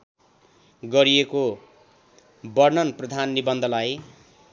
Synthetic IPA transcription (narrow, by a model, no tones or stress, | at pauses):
ɡʌɾieko | bʌrnʌnprʌd̪ʱanːibʌnd̪ʱʌlaj